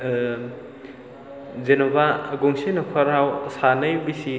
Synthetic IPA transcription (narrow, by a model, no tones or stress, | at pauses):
zenobaɡoŋsinɔkʰɔɾawsanɐjbisi